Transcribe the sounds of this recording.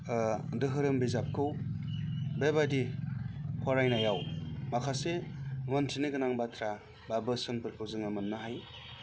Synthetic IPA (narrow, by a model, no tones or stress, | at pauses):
dɯɦɯɾɯmbizap̚kʰɯw | bebadi | kʰaɾajnajawmakʰasemɯntʰiniɡɯnaŋbatʰɾa | babɯsɯnpɯɾpʰozɯŋamɯnːɯɦaj